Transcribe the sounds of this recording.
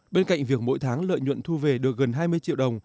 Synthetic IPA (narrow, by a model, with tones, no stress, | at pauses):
ɓe˧nka̰˧˨jŋ̟vi˨˩ək̚mo̰˧˥jt̪ʰaː˨˦ŋlə̰ː˧˨jɲwə̰˧˨nt̪ʰu˧ve˨˩ɗɨ˨˩ək̚ɣə˨˩nɦaː˧jmɨ˧əjt͡ɕḭ˧˨wɗə˨˩wŋ͡m